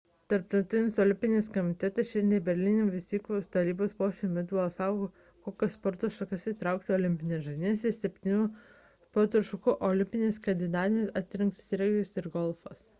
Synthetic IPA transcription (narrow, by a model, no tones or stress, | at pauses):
t̪ɐɾpt̪ɐʊt̪ʲɪnʲɪsɔlʲɪmʲpʲɪnʲɪskɔmʲɪt̪ʲɛt̪ɐsʃʲɛnd̪ʲɛbʲɛɾʲlʲɪnʲɪmʋʲɪst̪ʲiːkʲost̪ɐɾʲiːboːspoːʃʲɪmʲɛt̪ɐsɑˑʊɡo | koːkʲɛspɔɾt̪oʃɐkɐsit̪ɾɑˑʊk̚t̪ʲɪɔːlʲɪmʲpʲɪnʲɛʒɐnʲisʲɪsʲɛpʲt̪ʲɪnʲuː | spɔɾt̪oʃɐkʊʔɔlʲɪmʲpʲɪnʲeːskɐnd̪ʲɪnɑːt̪ʲɪmʲɛsɐt̪ʲɾʲɪŋkssʲɾʲɛɡʲjʊsɪɾɡɔlˠfɐs